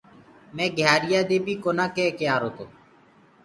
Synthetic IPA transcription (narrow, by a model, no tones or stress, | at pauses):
mẽːɡʱjaːɾɪjaːd̪eːbʱiːkoːnãːkeːkjaːɾoːt̪oː